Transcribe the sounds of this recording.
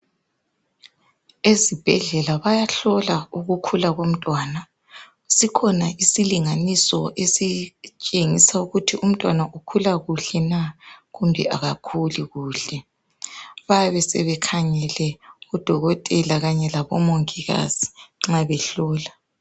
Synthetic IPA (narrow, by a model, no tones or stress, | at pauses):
ezib̥ʱɛɮɛlaβajaɬɔlauɣukʰulaɣom̩tʼwaːna | sikʰɔnaʔisiliŋanisɔʔesit͡ʃʼeŋisauɣutʰiʔum̩tʼwanaʔukʰulaɣuɬɛnaɣumbʱɛ̰ʔaɣakʰuliɣuːɬɛ | βajaβɛsɛβɛkʰaŋɛlɛɔd̥ʱɔɣɔtʼɛlaɣaɲɛlaβɔmoŋiɣa̰z̥i̥ŋ͡ǁaβɛɬɔːla